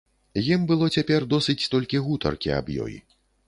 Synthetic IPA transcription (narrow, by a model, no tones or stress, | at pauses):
jimbɨlˠɔt͡sʲapʲɛrd̪ɔsɨt͡sʲt̪ɔlʲkʲiɣut̪ɐ̰rkʲia̰bjɔ̰j